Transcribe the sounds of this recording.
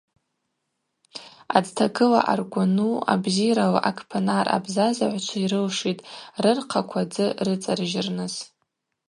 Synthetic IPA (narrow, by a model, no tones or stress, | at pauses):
ad͡ztʰakʰɨla̰ʔarɡʷanua̰bziɾalaʔakʰʼpʰanarʔa̰bzazaʕʷt͡ʃʷʰaiɾɨlʂitʼrɨrqʰakʷʰad͡zɨrɨt͡sʼarʒɪrnɨz